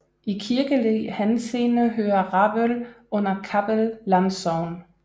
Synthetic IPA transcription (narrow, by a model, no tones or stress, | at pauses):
ikʰiɐɡ̥əlihænseːnəɦøːɐʁɑb̥əl | ɔ̽n̰ɐkʰab̥əlːɑnsɒʊn